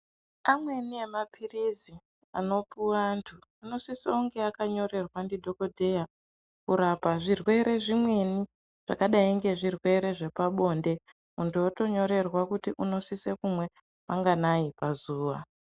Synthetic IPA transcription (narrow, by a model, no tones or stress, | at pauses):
amwe̞nie̞mapʰirizi | ano̞puwantʰu | ano̞sisauŋɡe̞akaɲo̞ɾe̞rwandidʱo̞ko̞dʱe̞ja | kuɾapaʐirwe̞ɾe̞ʐimwe̞ni | ʐ̥a̰kaɗaiŋɡe̞ʐirwe̞ɾe̞ʐe̞paɓo̞ːnde̞ | muntujoto̞ɲo̞ɾe̞rwakutiʔuno̞sisekumwe̞ | maŋɡanaipazuːʋa̰